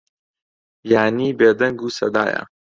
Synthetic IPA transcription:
jaːniːbeːd̪ɐŋɡuːsɐd̪aːjɐ̰

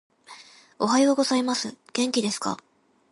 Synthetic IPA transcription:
o̞ɦajo̞ɡo̞zaimasɨɡ̥ẽ̞ŋkʲid̪e̞sɨ̥ka̰

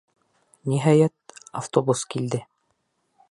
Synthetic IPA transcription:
niɦɑjæt̪̚aft̪obuskild̪ɘ

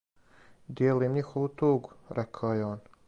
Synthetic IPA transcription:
d̪jeːliːmɲixoʋut̪uːɡuɾʔekʰaojeoːn

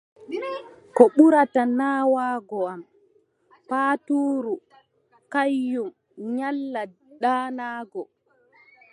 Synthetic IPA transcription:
kɔɓuɾatanaːwaːɡɔam | paːtuːɾu | kajːum | ɲalːa | ɗaːnaːɡɔ

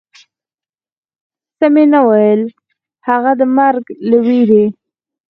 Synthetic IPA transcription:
səmenawajəl | haɣad̪əmaɾɡlawiɾe

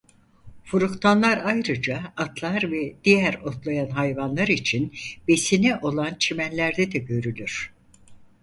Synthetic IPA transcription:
fuɾukt̪ʰanlˠaɾajɾɯd͡ʒaːt̪ʰlˠaɾvɛd̪̥ijæɾo̞t̪lˠajanɦajvanlˠaɾit͡ʃʰinbe̞sinɛʔo̞lˠant͡ʃʰimænlʲæɾd̪ɛd̪ɛɟø̞ɾylʲyɾ̝̥

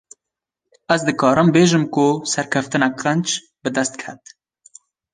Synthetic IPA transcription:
ɛzd̪ɨkɑːɾɨmbeːʒɨmkʊsɛɾkʰɛft̪ɨnɛkɛnt͡ʃ | bɨd̪ɛst̪̚kʰɛt̪

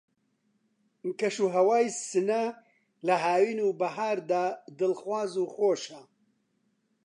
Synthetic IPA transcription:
kɐʃuːɦɐwaːjsɨnɐ | lɐɦaːwiːnuːbɐɦaːɾd̪aːd̪ɨlxwaːzuːxoːʃɐ

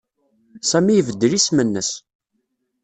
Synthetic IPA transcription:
sæmijvəd̪ːlismənːəs

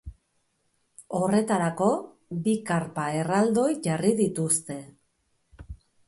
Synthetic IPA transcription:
o̞re̞t̪aɾako̞ | bikaɾpae̞rald̪o̞jʝariðit̪ust̪e̞

